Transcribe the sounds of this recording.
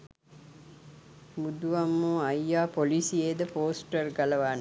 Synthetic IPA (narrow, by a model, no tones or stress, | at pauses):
bud̪uʋamːuːɐjːaːpolisieːd̪əpoːsʈɐrɡɐlɐʋaːn